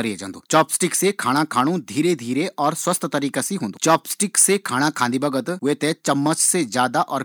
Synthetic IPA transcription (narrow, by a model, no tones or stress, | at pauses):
ɐɾied͡ʒãːnd̪o̰ːt͡ʃɔːpsʈɪksekʰaːɽ̃akʰaːɽ̃õd̪ʱiːɾed̪ʱiːɾeʔɔːɾswəst̪t̪ɐɾiːkasiɦõːnd̪ot͡ʃɔːpsʈɪksekʰaːɽ̃akʰãːnd̪ibɐɡət̪ɦet̪et͡ʃɐmːət͡ʃsezjaːd̪aʔɔːɾ